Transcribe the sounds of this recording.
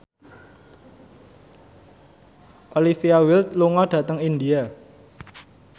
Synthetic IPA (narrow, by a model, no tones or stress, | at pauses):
ʔolifiawɪlt̪̚luŋɔɖ̥ä̤t̪əŋind̪ia